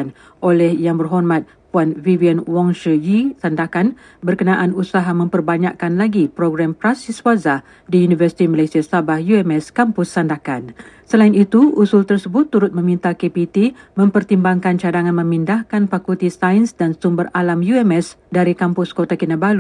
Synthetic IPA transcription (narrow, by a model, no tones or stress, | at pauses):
an | ʔolɛhjaŋbərɦɔrmãt̪̚ | puanvivianwɔŋʃəjisandakan | bərkənãʔanusaɦamə̃mpərbaɲaʔkanlaɡipɾoɡɾampɾasiswazah | diunivərsi̥t̪iməlasiasabahjuɛmɛskampʊsːandakansəlaɪnit̪uusʊlt̪ərsəbʊt̪ːuɾʊt̪̚mə̃mĩnt̪akepit̪imə̃mpərt̪imbaŋkant͡ʃadaŋãnmə̃mindahkanpakut̪isainsdansumbəralamjuɛmɛsdaɾikampʊskot̪akinəbalu